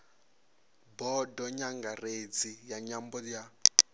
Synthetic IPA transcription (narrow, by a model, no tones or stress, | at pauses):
bɔdɔɲaŋɡared͡zijaɲambɔja